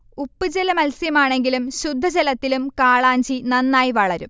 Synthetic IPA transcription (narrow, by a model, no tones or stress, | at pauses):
upːɨd͡ʑelɐmɐlsjɐmaːɳe̞ŋɡilumɕud̪ʱːɐd͡ʑelɐt̪ːilumkaːɭaːɲd͡ʑinɐnːaːjiʋɐɭɐɾum